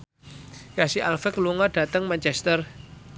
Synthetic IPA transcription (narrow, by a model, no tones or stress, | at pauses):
jasiʔalfɛkluŋɔd̥a̤t̪əŋmant͡ʃɛst̪ər